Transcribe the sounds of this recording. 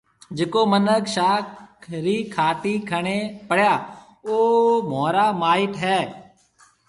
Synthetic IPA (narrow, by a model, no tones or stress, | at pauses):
d͡ʒɪkoːmənəkʃaːkɾiːkʰaːʈiːkʰəɳeːpəɽjaː | oːmoːɾaːmaːɪʈɦɛː